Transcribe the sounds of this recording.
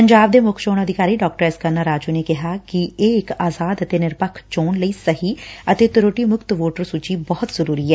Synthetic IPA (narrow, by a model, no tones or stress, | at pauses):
pəɲd͡ʒaːb̚d̪eːmʊkʰʃoːñəd̪ɪkaːɾiːɖɔːk̚ʈəɾɛːskənaːɾaːd͡ʒuːneːkɪɦaːkɪeːɪkaːzaːd̪ət̪eːnɪɾpəkʰt͡ʃoːnləiːsəɦiːət̪eːt̪ɪɾoːʈiːmʊkt̪ʋoːʈəɾsut͡ʃiːbɔːt̪zəɾuːɾiːɛː